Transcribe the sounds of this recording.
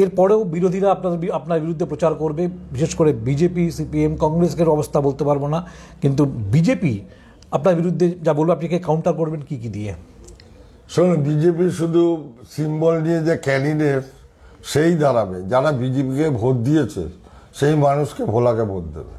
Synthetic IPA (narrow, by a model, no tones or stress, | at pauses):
eɾpɔɾeobiɾod̪ʱiɾaapnaiapnaɾbiɾud̪ʱːepɾot͡ɕaɾkoɾbebiʃeʃkoɾebid͡ʑepisipiemkɔŋɡɾeskeɾɔbost̪ʰabolt̪epaɾbona | kint̪ubid͡ʑepi | apnaɾbiɾud̪ʱːed͡ʑabolbeapnikekawɳʈaɾkoɾbenkikid̪ie | ʃonbid͡ʑepiɾʃud̪ʱusimbolnied͡ʑekɛɖiɖef | ʃejd̪ʱaɾabed͡ʑaɾabid͡ʑepikebʱot̪̚d̪ijet͡ɕʰḛ | ʃejmanuʃkebʱolakebʱot̪̚d̪ḛbḛ